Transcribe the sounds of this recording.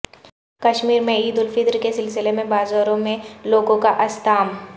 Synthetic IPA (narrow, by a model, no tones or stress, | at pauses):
kɐʃmiːɾmẽiːd̪ʊlfɪt̪ɾkesɪlsɪlemẽbaːzaːɾõmẽloːɡõkaʔɐst̪aːm